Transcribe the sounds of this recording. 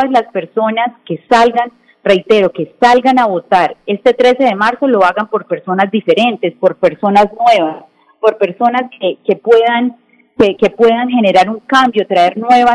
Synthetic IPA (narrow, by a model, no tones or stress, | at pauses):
azlaspe̞ɾso̞naske̞salɡan | re̞jt̪e̞ɾo̞ke̞salɡanaβo̞t̪aɾe̞st̪e̞t̪ɾe̞se̞ðe̞maɾso̞lo̞aɣampo̞ɾpe̞ɾso̞nazd̪ife̞ɾe̞nt̪e̞spo̞ɾpe̞ɾso̞naznwe̞βas | po̞ɾpe̞ɾso̞naskeke̞pwe̞ðan | keke̞pwe̞ðaŋhe̞ne̞ɾaɾuŋkambjo̞t̪ɾae̞ɾnwe̞βa